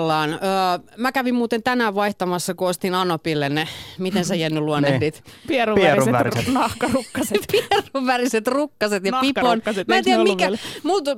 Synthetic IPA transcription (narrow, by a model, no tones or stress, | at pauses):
lːɑːnəːmækæʋimmuːt̪ent̪ænæːʋʋɑiht̪ɑmɑsːɑkuost̪inɑnopilːennemit̪ensæjiænːyluonːedit̪pieruussnɑhkɑrukːɑsepieruʋʋæriset̪rukːɑset̪jɑpiponːmæːnt̪iæmikæmut̪